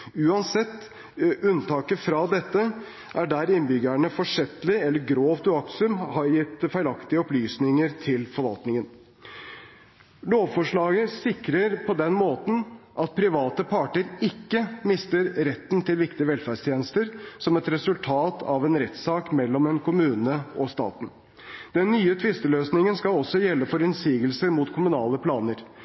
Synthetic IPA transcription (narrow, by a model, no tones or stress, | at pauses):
ʉːɑnsɛt̪ː | ʉnt̪ʰɑːkəfɾɑd̪ɛt̪ːə | ʔæɖæɾɪnbʏɡəɳəfɔʂɛt̪lɪɛlːəɾɡɾoːʋd̪ʉɑksʉmhɑɾjɪt̪ːfæɪlɑkt̪ɪəɔplyːsnɪŋəɾt̪ʰɪlfɔɾʋɑ̰lt̪nɪŋən | loːʋfɔʂɭɑːɡəsɪkɾəɾpʰɔd̪ɛnmoːt̪n̩ʔɑt̪̚pʰɾɪʋɑːt̪əpʰɑʈəɾɪkːəmɪst̪əɾɾɛt̪ːn̩t̪ʰɪlʋɪkt̪ɪəʋɛlfæɖʂt̪ʰjeːnəst̪əɾsɔmɛt̪ɾɛsʉlt̪ʰɑːt̪ʰɑʋɛnɾɛt̪sɑːkmɛlːɔmɛnkʰʊmʉːnəɔst̪ɑ̰ːt̪n̩ | d̪̥ɛnːyːət̪ʰʋɪst̪əløːsnɪŋənskɑlɔsːɔjɛlːəfɔɾɛnsiːɡəlsəɾmuːt̪kʰʊmʉnɑːləpʰlɑːnəɾ